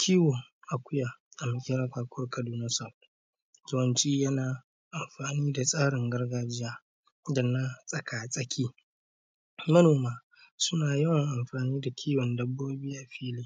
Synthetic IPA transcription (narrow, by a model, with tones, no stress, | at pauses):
kʲʰiː˦wɔ˨ŋʔa˨kʷʊ˦jaː˨ʔa˨mɪ˨kʲʼɪ˦ɾɐ˦ɸaː˨kʷʰʊ˦rkʰɐ˨duː˨nɐ˦sɐ˨ | zʊ˦wɐ˨nt͡ʃiː˦jɐ˦naː˨ | ʔa˨mɸaː˨niː˦da˨sʼaː˦ɽɪ˨ŋɡɐ˦rɡaː˦d͡ʒɪ˦jaː˦ | dɐ˨nːa˦sʼɐ˨kaː˨sʼɐ˦kʲʰiː˦ | mɐ˦noː˨maː˦ | sʊ˦naː˨jɐ˦wŋʔa˨mɸaː˨niː˦da˨kʲʰiː˦wɔ˨ndɐ˦bːoː˦biː˦ʔa˨ɸiː˦liː˦